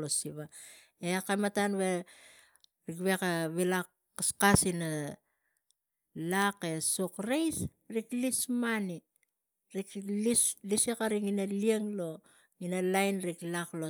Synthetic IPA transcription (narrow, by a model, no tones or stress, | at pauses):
losiβa | eakamatanβe̞ | ɾikβe̞kaβilakː | askasina | lake̞sokɾejs | ɾiklismani | ɾiklislisekaɾiŋinalieŋlo̞ | ŋinalajnɾiklaklo